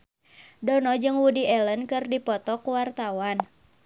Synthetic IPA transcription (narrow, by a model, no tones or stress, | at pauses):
dɔnɔd͡ʒɨŋwudiɛlənkɨrdipɔt̪ɔkwart̪awan